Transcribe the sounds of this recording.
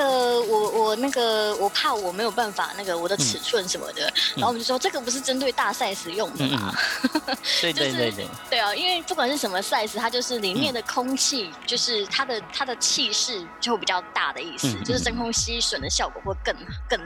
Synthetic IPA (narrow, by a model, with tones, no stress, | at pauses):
ə˩wɔ˨˩wɔ˨˩na˥˩ɡə˩wɔ˨˩pʰa˥˩wɔ˨˩me˧˥ɪjo˨˩ʊpa˥˩nfa̰˨˩na˥˩ɡə˩wɔ˨˩d̪ə˦t͡sʰɻ̩˨˩t͡sʰwə˥˧nʂə˧˦nmə̰˧d̪ə̰˨n˨˧˥o˨˥˩ʈ͡ʂɤ˥˩ɡə˩p̬u˧˥ʂ̬ɻ̩˥˧ʈ͡ʂə˥nt̪we˥˧ɪt̪a˥˧sa˥˩ɪʂɹ̩˨˩jʊ˥˩ŋd̪ə˩bɐ̰˩˧ | jt̪we˥˩ɪɔ˩i˦˥nwe˥˧ɪpu˥˩kwa˨˩nʂɻ̩˥˩ʂə˧˦mə˧sa˥˧ɪsɹ̩˨t̪ʰa˥t͡ɕjo˥˧ʊʂɻ̩˥˩li˨˩mjɛ˥˩nd̪ə˩kʰʊ˥ŋt͡ɕʰi˥˧t͡ɕjo˥˧ʊʂɻ̩˥˩t̪ʰa˥d̪ə˨t̪ʰa˥d̪ə˨t͡ɕʰi˥˧ʂɻ̩˥˩o˥˩˧xpi˨˩t͡ɕjɑ˥˧ʊt̪a̰˥˩d̪ə˩i˥˩s̩˩t͡ɕo˥˧ʊʂɻ̩˥˩ə˥nkʰʊ˥ŋɕi˥ʂwə˨˩nd̪ə˩ɕjɑ˥˩ʊkwɔ̰˨˩xwkə˥˧ŋkə˥˩ŋ